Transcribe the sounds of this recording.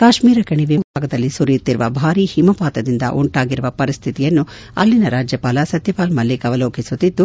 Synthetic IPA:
kaːʃmiːɾɐkɐɳiʋibʱaːɡɐd̪ɐlːisuɾit̪ːiɾuʋɐ̰bʱaːɾiːhimɐpaːt̪ɐd̪ind̪ɐ̰ʔuɳʈaːɡiɾuʋɐpɐɾist̪ʰit̪ijɐnːu | ɐ̰lːinɐɾaːd͡ʒjɐpaːlɐsɐt̪jɐpaːlmɐlːikɐʋɐloːkisut̪ːid̪ːu

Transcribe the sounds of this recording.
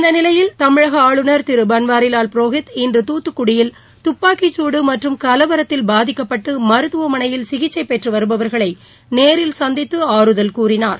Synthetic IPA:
ɪnd̪ɐnɪlɐjɪlt̪ɐmɪɻɐɣɐaːɭɯnɐɾt̪ɪɾɯbɐnʋaːɾɪlaːlpɾoːɣɪt̪ɪndrɯt̪uːt̪ːɯkːʊɽɪjɪl | t̪ʊpːaːkɪt͡ʃːuːɽɯmɐʈrɯmkɐlɐʋɐɾɐt̪ːɪlbaːðɪkːɐpːɐʈːɯmɐɾɯt̪ːɯʋɐmɐnɐjɪlsɪɣɪt͡ʃːɐɪpɛʈrɯʋɐɾɯbɐʋɐɾɣɐɭɐɪ | neːɾɪlsɐnd̪ɪt̪ːɯaːɾɯðɐlkuːrɪnaːɾ

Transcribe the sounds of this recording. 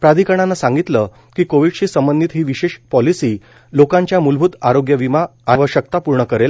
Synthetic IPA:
pɾad̪ʱikəɽ̃anːasãŋɡit̪lə | kiːkoʋiɽɕiːsəmbənd̪iːt̪ɦiːʋiɕeɕpɔlisiː | lokãɲt͡ɕjamulbʱut̪aɾoɡjəʋimaaʋəɕək̚t̪apuɾɳəkəɾel

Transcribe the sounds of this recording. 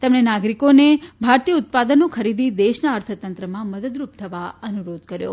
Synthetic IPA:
t̪emɳenaɡɾikonebʱaɾt̪ijəʊt̪̚pad̪ənokʰəɾid̪id̪eʃnaəɾt̪ʰət̪ənt̪ɾəmãməd̪əd̪ɾup̚t̪ʰəʋaənuɾod̪kəɾjo̰

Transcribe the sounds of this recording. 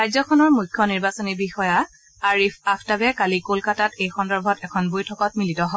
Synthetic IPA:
ɹajzɔkʰɔnɔɹmujkʰːjɔniɹbasɔnibixɔja | aɹipʰapʰtabɛkalikolkatatejxɔndɔɹbʱɔtɛkʰɔnbojtʰɔkɔt̚militɔɦɔ

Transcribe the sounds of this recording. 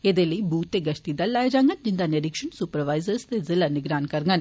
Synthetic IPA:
eːd̪eːləiːbuːt̪ːeːɡəʃt̪iːd̪alːaːjeːd͡ʒaːŋɡənd͡ʒɪnd̪aːneɾɪkʃəɳsʊpəɾʋaːizəɾst̪eːzɪlaːnɪɡɾaːnkəɾŋɡən

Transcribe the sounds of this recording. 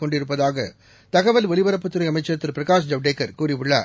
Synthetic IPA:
kɔɳɖɪɾɯp̬ːɐðaːɣɐ | t̪ɐɣɐʋɐlʋɔɭɪʋɐɾɐpːɯt̪ːɯɾɐɪɐmɐɪt͡ʃːɐɾt̪ːɯɾpɪɾɐkaːs̬d͡ʒɐʋɖeːkːɐɾkuːriʋʊɭːɐ̰

